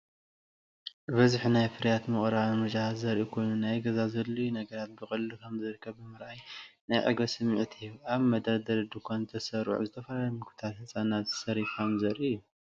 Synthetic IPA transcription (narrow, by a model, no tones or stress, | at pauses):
bɐzħinajfɨɾjat̪mɨχʼɾaamɨɾt͡ʃʼaazɐɾʔikʰo̞jnunajɡɐzazɐlːujunɐɡɐɾat̪̚bɨxʼɨllukʰɐmzɨɾɨkʰːɐβːɨmɨɾʔajnajʕɨ̰ɡɾɐsɨmːɨʕt̪ʰijuaβmɐd̪ɐɾd̪ɐɾɨd̪ukʰonzt̪ʰɐsɐɾ̰ʕuzɨt̪ʰɐfɐlalɐmɨkʰɨ̥t̪ʰalhɨt͡sʼanazɨ̥sɐɾifkʰɐmzɐɾʔijːu